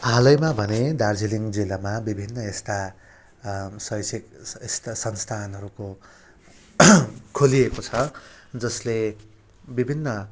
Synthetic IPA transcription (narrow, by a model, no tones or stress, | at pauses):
ɦalʌjmabʱʌned̪ard͡ziliŋd͡zilamabibʱinːʌest̪a | sʌjsikest̪asʌnst̪ʰanɦʌɾuko | kʰoliekot͡sʰʌd͡zʌsle | bibʱinːʌ